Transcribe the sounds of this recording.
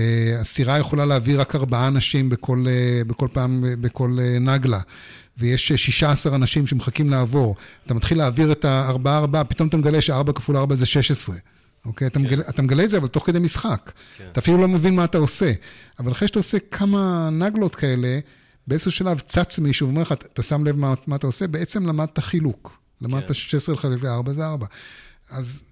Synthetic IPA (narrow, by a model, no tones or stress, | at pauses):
easiʁajeχo̞laleaviʁakaʁbaaːnaʃimbekʰo̞lebeko̞lpaːmebeko̞lenaɡla | vejeʃʃiʃaasaʁanaʃimʃemeχakimlaːvo̞ʁat̪amat̪χilːaːviʁet̪aːʁbaaːʁbaapito̞mat̪̬ameɡaleʃeaʁbakafulaʁbazeʃe̞ʃesʁe̞ | o̞kejat̪ameɡaleʔat̪ameɡaletzeavalt̪o̞χked̪ejmisχak | t̪aːfilulo̞mevinmaːt̪aose̞avalaχeʃe̥taose̞kʰamanaɡlo̞t̪kae̞le̞ | beezsuʃalavt͡sat͡smiʃuveomeleχat̪asamlevmamaːt̪aose̞bee̞t͡se̞mlamad̪̚t̪aχiluk | lamad̪̚t̪aʃe̥ʃesʁelχalefveaʁbazeaʁbaaz